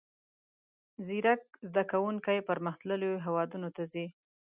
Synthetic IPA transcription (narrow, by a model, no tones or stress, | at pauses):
ziɾak̚zd̪akawuŋkajpəɾməxt̪ləlojoɦewɑd̪unot̪azi